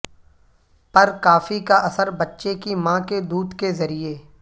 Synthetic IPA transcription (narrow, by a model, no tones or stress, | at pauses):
pɐɾkaːfikaʔɐsəɾbɐtːʃekimãːked̪uːd̪kezɐɾieː